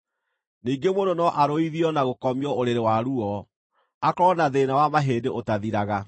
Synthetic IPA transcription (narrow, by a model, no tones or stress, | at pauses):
niːŋɡemondonɔʔaɾoiðiɔnaɣokɔmiɔoɾeɾewaɾuɔ | akɔnaðenawamaɦeːdeʔotaðiɾaɣa